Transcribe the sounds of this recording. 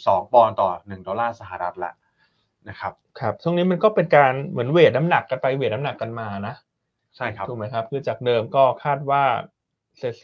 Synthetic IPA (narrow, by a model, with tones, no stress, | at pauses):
sɔː˩˦ŋpɔː˧nt̪ɔː˨˩nɯ˨˩ŋdɔː˧laː˥˩sa˧˩ɦa˨˩ɾa˦˥t̪̚la̰˧˩ʔ | na˦˥kʰa˦˥p̚kʰa˦˥p̚t͡ɕʰu˥˩əni˦˥ma˧nkɔː˥˩pe˧nkaː˧nmɯ˩˦ənweː˨˩t̪̚na˦˥mna˨˩kːa˧npa˧jweː˨˩t̪̚na˦˥mna˨˩kːa˧nmaː˧na˦˥ | t͡ɕʰa˥˩jkʰduː˨˩ma˦˥jkʰa˦˥p̚kʰɯː˧t͡ɕaː˨˩k̚dɤː˧mkɔː˥˩kʰaː˥˩t̪̚waː˥˩ | seː˨˩t̪̚